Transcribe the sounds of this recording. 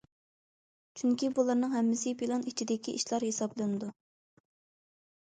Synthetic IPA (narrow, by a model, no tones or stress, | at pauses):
t͡ʃʰyŋkʲibulˠɑɾnɨŋɦɛmːɪsɪpʰilˠɑnit͡ʃʰid̪ɪkʲiʔiʃlˠɑɾhesɑblˠɨnɨd̪u